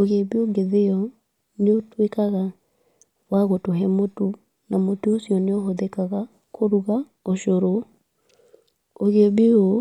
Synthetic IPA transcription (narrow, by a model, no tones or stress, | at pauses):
oɣebeoɡeðeɔ | neotwekaɣa | waɣotoɦɛmotu | namotuosiɔneoɦɔðɛkaɣa | kʰoɾuɣa | oʃoɾo | oɣebeo